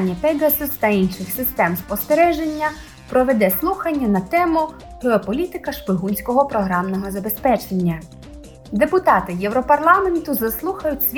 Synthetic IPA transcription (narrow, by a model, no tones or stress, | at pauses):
nʲːɐpɛɡɐsɪst̪ɐinʃɪxsɪst̪ɛmspɔst̪eɾɛʒenʲːɐ | pɾɔʋed̪ɛslˠuxɐnʲːɐnɐt̪ɛmʊ | ɦɪɔpɔlʲit̪ɪkɐʃpɪɦunʲsʲkɔɦɔpɾɔɦɾɑmnɔɦɔzɐbespɛt͡ʃenʲːɐ | d̪e̞pʊt̪ɑt̪ɪjɛwɾɔpɐrlˠɑment̪ʊzɐslˠuxɐjʊtʲsʲʋʲ